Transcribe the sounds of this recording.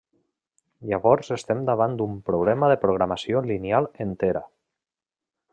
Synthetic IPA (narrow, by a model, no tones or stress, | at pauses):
ʎaβɔɾzest̪ɛmd̪aβ̞and̪umpɾuβlɛməðəpɾuɣɾamasiolinjalˠent̪eɾə̰